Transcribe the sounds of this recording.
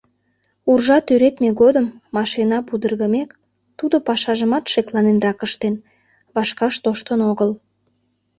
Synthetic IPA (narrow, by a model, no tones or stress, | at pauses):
urʒɑt̪yɾet̪meɣod̪əmːɑʃinɑpud̪ərɣəmek | t̪ud̪opɑʃɑʒəmɑt̪ʃeklɑnenrɑkəʃt̪en | βɑʃkɑʃt̪oʃt̪ənoɣəl